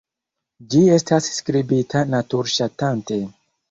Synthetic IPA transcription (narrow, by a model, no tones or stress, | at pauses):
d͡ʒie̞stasskɾibitʰanatuɾʃatante̞